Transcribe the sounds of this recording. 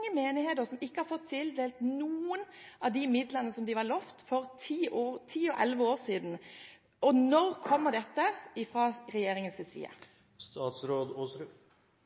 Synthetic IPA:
əmeːnɪheːt̪əɾsɔmɪkːəhɑɾfɔt̪ʰːɪld̪eːlt̪nuːənʔɑʋd̪ɪmɪd̪lənəsɔmd̪ɪʋɑlɔft̪fɔɾt̪ʰiːʔoːt̪ʰiːɔʔɛlʋəoːɾsiːd̪n | ɔnɔɾkʰɔmːəd̪ɛt̪ːəɪfɾɑːɾɛjeːɾɪŋənsɪsḭːə̰ | st̪ɑːt̪sɾoːd̪ɔ

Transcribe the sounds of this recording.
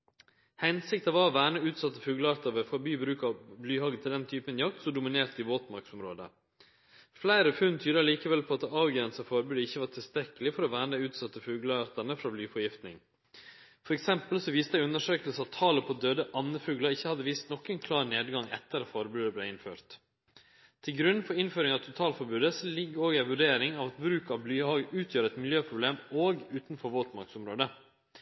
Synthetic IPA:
hɛnsɪkt̪ɑʋɑʋæːɳəʉːt̪sɑt̪ːəfʉːɡləɑɾt̪ɑʋəfɔɾbyːbɾʉːkɑblyːhɑːɡət̪ʰɪld̪ɛnt̪ʰyːpənjɑk̚t̪sɔd̪ʊmɪneːɾt̪ɪboːt̪mɑɾksɔmɾoːd̪ə̰ | flæɪɾəfʉnt̪ʰyːɾɑliːkəʋɛlpʰɔɑt̪ɑːʋɡɾɛnsəfɔɾbʉːd̪ɪçːəʋɑʈ̪ʰɪlst̪ɾɛkːəlɪfɔɾɔʋæːɳəʉːt̪sɑt̪ːəfʉːɡləɑɾt̪əɳəfɾɑblyːfɔɾjɪft̪nɪ̰ŋ | fɔɾɛksɛmpəlsɔʋiːst̪əæɪʉnəʂøːkəlsəɑt̪ʰɑːləpʰɔd̪øːd̪əʔɑnːəfʉːɡləɾɪçːəhɑd̪ːəʋiːst̪nɔkːənkʰlɑːɾneːd̪ɡɑŋɛ̰t̪ːəɾɑfɔɾbʉːd̪əbleɪnføːɾt̪ | t̪ʰːɪlɡɾʉnfɔɾɪnføːɾɪŋɑʋt̪ʰʊt̪ʰɑːlfɔɾbʉːd̪əsɔlɪɡːəoːɡæɪʋʉɖeːɾɪŋɑʋɑt̪bɾʉːkɑʋblyːhɑːɡʉːt̪ʰjøːɾəɛt̪mɪljøːpʰɾʊbleːmoːɡʉːt̪nfɔɾʋolt̪mɑɾksɔmɾoːd̪ə

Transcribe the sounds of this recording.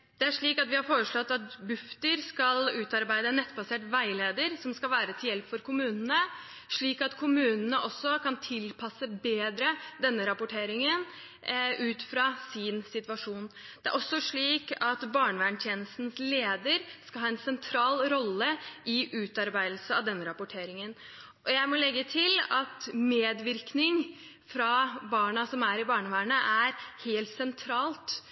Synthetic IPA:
d̪̥ɛæʂɭiːkɑt̪ʋɪhɑɾfoːɾəʂɭɔt̪ːɑt̪bʉft̪əɾskɑlʉːt̪ɑɾbæɪd̪ənɛt̪ːbɑseːʈʋæɪleːd̪əɾsɔmskɑlʋæːɾət̪ʰɪljɛlpfɔɾkʊmʉːnənə | ʂɭiːkɑt̪kʰʊmʉːnənəʔɔsːɔkʰɑnt̪ʰɪlpʰɑsəbeːd̪ɾəd̪ɛnːəɾɑpʊʈʰeːɾɪŋən | ʉːt̪fɾɑsɪnsɪt̪ʋɑʂuːnd̪̥ɛæ̰ɾʔɔsːɔʂɭiːkɑt̪bɑːɳəʋæːɳt̪ʰjeːnəst̪n̩sleːd̪əɾskɑlhɑːɛnsɛnt̪ʰɾɑːlɾɔlːəʔɪʔʉːt̪ɑɾbæɪd̪l̩səɑʋd̪ɛnːəɾɑpʊʈʰeːɾɪŋən | ʔɔjæɪmɔlɛɡːət̪ʰɪlɑt̪meːd̪ʋɪɾknɪŋ | fɾɑbɑːɳɑsɔmæɾɪbɑːɳəʋæːɳəʔæɾheːlt̪sɛnt̪ʰɾɑːlt̪

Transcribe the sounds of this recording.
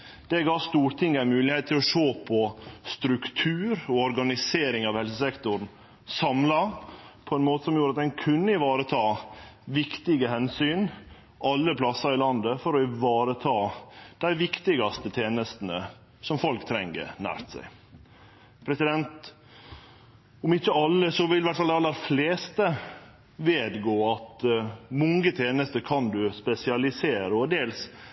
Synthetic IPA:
d̪̥ɛɡɑːst̪uːɾt̪ʰɪŋːæɪmʉːlɪhɛːt̪t̪ʰːɪlɔʂoːpʰɔst̪ɾʉkt̪ʰʉːɾɔɔɾɡɑnɪseːɾɪŋɑʋhɛls̬əsɛkt̪ʊɾn | sɑmlɑpʰɔɛnmoːt̪əsɔmjuːɾɑt̪̚d̪ɛnkʰʉnːəɪʋɑːɾət̪ʰɑːʋɪkt̪ɪɡəhɛnsyːn | ʔɑlːəpʰlɑsɑɾɪlɑnd̪əfɔɾɔɪʋɑːɾət̪ʰɑːd̪̥æɪʋɪkt̪ɪɡɑst̪ət̪ʰeːnəst̪ən̩ə | sɔmfɔlkt̪ʰɾɛ̰ŋːə̰ɾnæ̰ːɾt̪sæ̰ɪ | pʰɾɛsɪd̪ɛnt̪ | ɔmɪçːəɑlːəsɔʋɪlɪʋæʈ̪ːfɑld̪æɑlːəɾfleːst̪ə | ʋeːd̪ɡoːɑt̪mʊŋɡət̪ʰeːnəst̪əɾkʰɑnd̪ʉspɛsɪɑlɪseːɾəɔd̪eːls

